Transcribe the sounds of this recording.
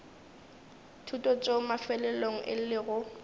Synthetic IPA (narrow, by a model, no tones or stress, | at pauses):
tʰutʼɔt͡sʼomafɛlɛloŋ̩ʔɪ̰llɪɣʊ